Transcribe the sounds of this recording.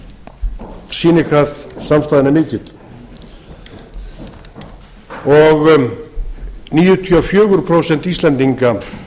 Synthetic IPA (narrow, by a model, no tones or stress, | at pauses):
siːnɪkʰvaðsamst̪aːðɪnamɪːcɪt̪l | ɔɣ | niːjʏt̪ʰiɔfjʏːɣʏɾpʰɾoːwsɛn̥t̪ist̪lɛnt̪iŋka